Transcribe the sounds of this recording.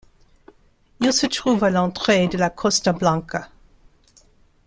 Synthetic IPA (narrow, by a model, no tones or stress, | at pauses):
ilsət̪χuvalɑ̃t̪χed̪əlakʰɔst̪ablɑ̃ka